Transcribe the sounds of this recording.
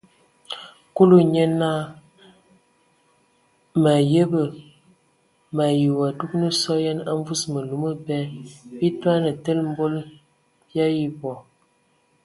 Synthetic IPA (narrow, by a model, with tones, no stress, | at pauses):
ku˦lu˦ɲe˦na˦ | ma˨jə˦bə˨ | ma˨ji˨wa˨du˦knə˦sɔ˦ja˦na˦ɱ˦vu˦smə˨lu˨˦mə˦bɛ˦bi˦twa˦nə˨tə˦lm̩˦bo˦l | bja˦ji˨bɔ˨